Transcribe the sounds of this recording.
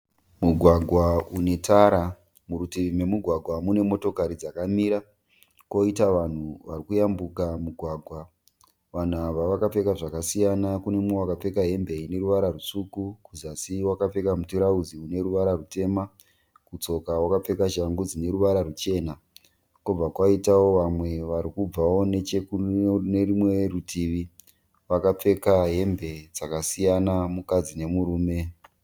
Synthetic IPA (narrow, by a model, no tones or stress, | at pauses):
muɡʱwaɡʱwaune̞tʰaɾa | muɾutime̞muɡʱwaɡʱwamune̞mo̞to̞kaɾid͡zakamiɾa | ko̞itaʋan̤uʋarikujambukamuɡʱwaɡʱwa | ʋan̤uaʋaʋakap͡fe̞kaʐakasijanakune̞mowakap͡fe̞kaɦe̞mbe̞ine̞ɾuʋaɾarusukukuzasiwakap͡fe̞kamutuɾaud͡ziune̞ɾuʋaɾarute̞ːma | kut͡so̞kawakap͡fe̞kaʃaŋɡud͡zine̞ɾuʋaɾarut͡ʃe̞ːna | kub͡vakwaitawo̞ʋamwe̞ʋaɾikub͡vawo̞ne̞t͡ʃekunerimwe̞rutʰiʋi | ʋakap͡fe̞kaɦe̞mbe̞d͡zakasijanamukad͡zine̞muɾuːme̞